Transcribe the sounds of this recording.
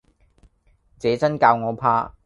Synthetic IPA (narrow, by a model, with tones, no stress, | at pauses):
t͡sɛː˨˥t͡sɐ˥nkaː˧wŋɔː˨˧pʰaː˥